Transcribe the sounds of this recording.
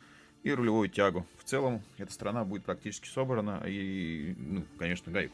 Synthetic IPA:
iɾʊlʲɪvojʊtʲaɡʊft̪sɛlˠəmɛt̪əst̪əɾɐnabudɪt̪pɾɐktʲit͡ɕɪ̥skʲɪ̥so̞bɾənə̰i | nukɐnʲe̞ʂnəɡajʲk

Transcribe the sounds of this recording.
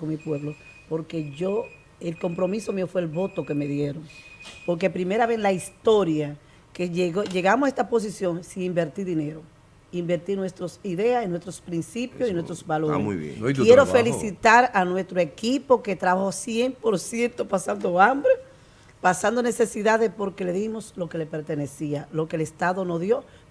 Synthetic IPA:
oŋmipwe̞βlo | po̞ɾke̞ʝo | elko̞mpɾo̞miso̞miofweːlβo̞t̪o̞keme̞ðje̞ɾoŋpo̞ɾk̬e̞pɾime̞ɾaβeslaist̪o̞ɾja | keʝeɣoʝe̞ɣamosest̪apo̞s̬isjo̞ŋsiŋimbe̞ɾt̪iɾðine̞ɾo̞ | imbe̞ɾt̪iɾnwe̞st̪ɾosiðe̞asenwe̞st̪ɾospɾinsipjosinwest̪ɾosβaloɾḛṵjḛkjeɾofelisit̪aɾanwe̞st̪ɾoe̞kipo̞ke̞t̪ɾaβaho̞sjempo̞ɾsje̞nt̪o̞pasand̪o̞ambɾe | pasand̪one̞se̞siðaðepo̞ɾke̞le̞ðimo̞slo̞ke̞le̞pe̞ɾt̪e̞ne̞sialo̞ke̞lest̪aðo̞no̞ðjo̞

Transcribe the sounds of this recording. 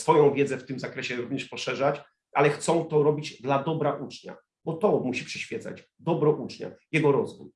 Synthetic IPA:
sfɔjɔ̃w̃vʲjɛd̪zɛft̪ɘmzakɾɛɕɛɾuvɲɛʂpɔʂɛʐat͡ɕ | ʔalɛxt̪sɔ̃w̃t̪ɔɾɔbʲid͡ʑd̪lad̪ɔbɾaʔut͡ʂɲa̰ | bɔt̪ɔmuɕipʂɛɕfʲjɛd̪za̰d͡ʑ | d̪ɔbɾɔʔut͡ʂɲa̰jɛɡɔɾɔzvṵj

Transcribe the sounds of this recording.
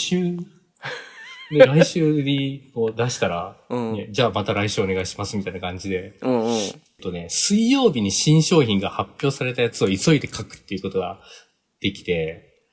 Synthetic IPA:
ɕɨː | d̪eɾaiɕɨːɲiko̞ːd̪aɕi̥t̪aɾane̞d͡ʑaːmat̪aɾaiɕɨːo̞ne̞ɡaiɕi̥masɨmit̪ainakãɲ̟d͡ʑid̪e̞ | t̪ːo̞ne̞sɨijo̞ːbʲiɲ̟iɕĩɰ̃ɕo̞ːçĩŋɡahapʲːjo̞ːsaɾe̞t̪ajat͡sɨo̞iso̞id̪e̞kʰakɯ̟̥t̪ːe̞iɯ̟ko̞t̪o̞ɡa̰ | d̪̥e̞kʲi̥t̪e̞

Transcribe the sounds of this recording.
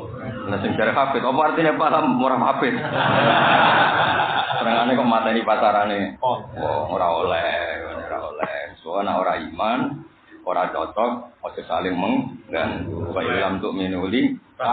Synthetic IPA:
nasɪŋd͡ʒ̥aɾɛfapɪt̪ɔpɔart̪inepalamːoɾafapɪt̪̚ | sənəŋanekɔʔmat̪andipataɾanewɔ̰ŋoɾaolɛhɔnɾa̰olɛ̰suwanaʔoɾaiman | oɾadɔ̰t͡ʃɔk̚ŋɔd͡ʒɔksalɪŋməŋŋɡa̰ʔnt̪ukaʔilamt̪ʊʔminuli

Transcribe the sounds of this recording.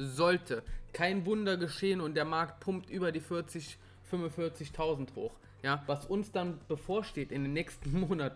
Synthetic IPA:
zɔltʰəkʰaɪnvʊndɐɡəʃeːənʊnt̚d̥eːɐmaɐkt̚pʰʊmptʔyːbɐdiːfɪɐt͡sɪç | fʏmʊnfɪɐt͡sɪçtʰaʊzn̩tho̰ːx | jaːvasʊnsd̥anb̥əfoːɐʃteːtɪndeːnːɛːkstn̩moːnatn̩

